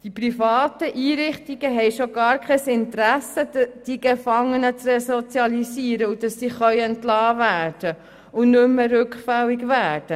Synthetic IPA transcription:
d̥ipɾifɑːt̪əʔiːɾɪχtiɡ̥əɦɛjʃoɡɑːɾkχɛsɪnt̪ɾæsədd̥iɡefɑŋːənət͡srɛsot͡sjɑlisiːəɾəud̥ɑsːiːχœʏɛntlɑːvæːɾd̥ə | ʊnʏmːəɾʏkχfɛlːiɡvæːd̥ə

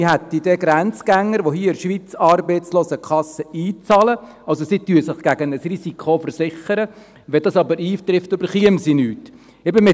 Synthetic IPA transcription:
iɦæt̪ːid̥ɛɡɾænt͡sɡ̥æŋːəɾʋoɦiːəɪɾʃʋit͡sɑːrbɛɪt͡sloːsəkʰχɑsəiːt͡sɑːlə | ɑlsosityəsɪχɡ̥æɡənəsrisikʰχofəɾsɪχəɾə | ʋɛdɑsɑbəɾiːt̪ɾɪftøbəɾχiəmsinyːt | ɛbəmɪ

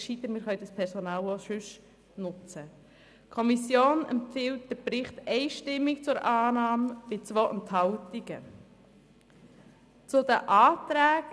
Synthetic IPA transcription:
ʃit̪əmɪːɾχœʏdɑspʰɛɾsɔnɑːloʃʏʃ | nʊt͡sə | kʰɔmisjoːnɛ̰mpfɪlt̚d̥əbɾɪχt̪ɛɪʃtɪmːɪkt͡sʊɾʔɑːnɑːmb̥ɪt͡sʋoːʔɛnthɑʊtiɡ̥ə | t͡sʊd̪əʔaːt̪ɾæːɡ

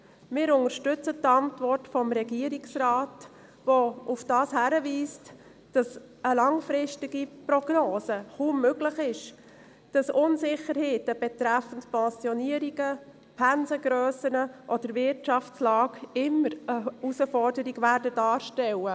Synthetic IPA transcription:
mɪːɾʊŋəɾʃtʏt͡sətɑntʋɔrtfɔmɾɛɡiəɾiksrɑːt | ʋoʔufd̥ɑːshæɾəviːst | d̥ɑs | əlɑŋfɾɪʃtɪɡ̥iprɔɡ̥noːsəχuːmːøɡləχɪʃ | d̥ɑsʊnsɪχəɾheːtəb̥ɛtɾæfən̩tpɛ̃sjɔniəɾiɡə | pʰænzəɡɾœːsənəʔɔd̥əɾvɪɾtʃɑft͡slɑːɡɪməɾəusəfɔrdəɾiɡʋæɾdədɑːɾʃtɛlə

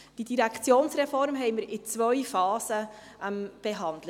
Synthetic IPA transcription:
d̥idiɾɛkʰt͡sjoːnsɾɛfɔɾmɦɛɪməɾɪt͡sʋœʏfɑːsə | mb̥ɛɦɑndlə

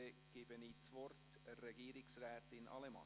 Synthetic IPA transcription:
eɡ̥ɪb̥əniːt͡sʋɔrtrɛɡ̥iːɾɪksrɛːt̪ɪnɑ̰lɛmɑ̰

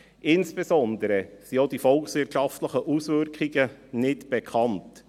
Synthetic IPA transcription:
ʔɪnsb̥esɔnd̪əɾəsiodifɔlksʋɪtʃɑftləχəʔusʋʏrkχiɡənɪtb̥ɛkʰɑnt

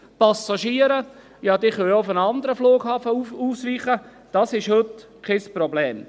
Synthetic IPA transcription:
pɑsɑʃiːəɾə | jɑd̪ɪχʋɪljoʊfənɑnd̪əɾəfloːɡ̥hɑːfəuuːsʋiːχə | d̥ɑsɪʃhøt̪kʰɛsprɔblɛːm

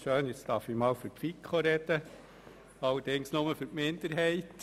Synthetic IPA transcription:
ʃøːnɪt͡st̪ɑɾfɪmɑːlføɾkfikχoɾɛd̥̪ə | ɑləd̥ɪŋsnoməføɾtmɪnd̪əɾɦɛɪt̪

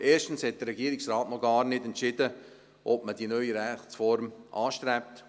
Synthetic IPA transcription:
ʔeːʃtən̩shɛt̚d̥ərɾɛɡiəɾɪksraːtnɔɡɑːɾnɪdɛntt͡ʃɪdə | ʔɔb̚mədinœʏiɾɛχt͡sfɔɾmʔɑːʃtɾɛp̚t

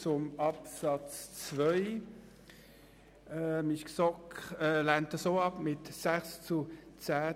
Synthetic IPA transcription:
t͡sʊmɑpsɑt͡st͡svœʏ | ɛmiçksɔkɛlæntəsoːɑpmɪtsæχst͡sʊt͡sæː

